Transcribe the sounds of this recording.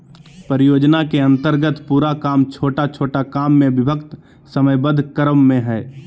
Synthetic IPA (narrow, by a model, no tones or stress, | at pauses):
pəɾɪjoːd͡ʒnakeɐ̃nt̪əɾɡət̪puːɾakaːmt͡ʃʰoːʈat͡ʃʰoːʈakaːmːẽʋɪbʱəkt̪ | səməjbəd̪ʱkəɾəmːẽɦɛː